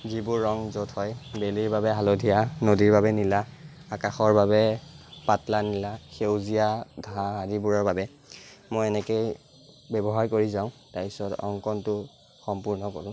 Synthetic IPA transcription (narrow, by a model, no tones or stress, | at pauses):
zibʊɹːɔŋzotʰhɔjbeliɹbabɛɦalodʱijanodiɹbabɛnilaːkaxɔɹbabɛpatlanilaxewzijadʱaãɦadibuɹɔɹbabɛ | mojɛnɛkej | bɛbɔɦaɹkoɹizaʊ̃tajsɔtɔ̰ŋkɔntʊ | xɔmpuɹnɔkoɹʊ̃